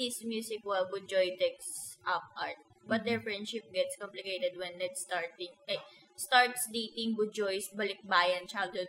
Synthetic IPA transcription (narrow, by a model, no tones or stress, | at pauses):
ismjuːsɪkwɛlbʊd͡ʒɔjt̪ɛksʔɐp̚aɹt̪̚ | bɐt̪̚d̪ɛɹfɹɛ̃nd̪ʃɪp̚ɡɛt̪skɔmplɪkejt̪ɛd̪̚wɛ̃nːɛt̪st̪aɹt̪ɪ̃ŋʔɐ | st̪aɹt̪sliːt̪ɪ̃ŋbʊd͡ʒɔjsbɐlɪk̚baːjɐnt͡ʃald̪ɛ